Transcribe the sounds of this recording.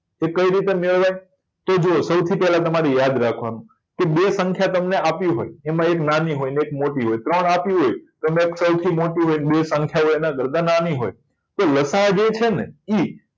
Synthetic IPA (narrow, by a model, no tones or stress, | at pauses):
ekəiɾit̪emeɭʋaj | t̪od͡ʒoosəwt̪ʰipɛɦlat̪əmaɾijad̪ɾakʰʋanũ | kebesəŋkʰjat̪əmneapjũɦo̰jemãeknaniɦojnekmoʈiɦojt̪ɾəɳapjũɦojt̪əmeksəwt̪ʰimoʈũɦojnbesə̃ŋkʰjaɦoenãɡəɾd̪ʱãnaniɦo̰j | t̪oləsaɦd͡ʒet͡ʃʰenei